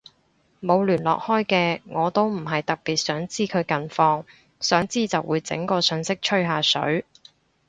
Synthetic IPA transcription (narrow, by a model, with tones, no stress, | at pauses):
mo˨˧wlyː˨˩nlɔ̰ː˨k̚hɔː˥jkɛː˧ŋɔː˨˧t̪o˥wm̩˨˩ɦɐ˨jt̪ɐ˨k̚piː˨t̚sœː˨˥ŋt͡siː˥kʰɵ˨˧ɥkɐ˨nfɔː˧ŋ | sœː˨˥ŋt͡siː˥t͡sɐ˨wʔuː˨˧jt͡sɪ̰˨˥ŋkɔː˧sɵ˨˧ŋsɪ˥k̚t͡ʃʰɵ˥ɥɦaː˨˧sɵ̰˨˥ɥ